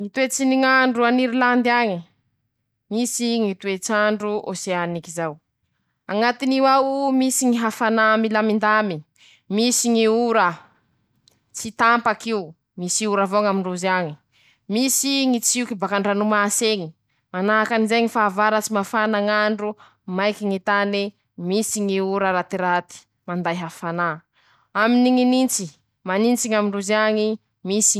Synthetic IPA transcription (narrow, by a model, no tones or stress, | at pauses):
ŋit̪uet͡siniŋaɳɖ͡ʐuaniɾiland̪iaɲi | misiŋit̪uet͡saɳɖ͡ʐuʔoseanikizaw | aŋat̪iniwawumisiŋiɦafanamilamind̪ami | misiŋiuɾə | t͡sit̪ampakiu | misiuɾavoŋamiɳɖ͡ʐuzaɲi | misiŋit͡siukibakaɳɖ͡ʐanumaseŋi | manaɦakanizeŋifaːvaɾat͡simafanaŋaɳɖ͡ʐu | majkiŋit̪ani | misiŋiuɾəɾat̪iɾat̪i̥ | mand̪ajɦafana | aminiŋinint͡si | manint͡siŋamiɳɖ͡ʐuziaŋi | misi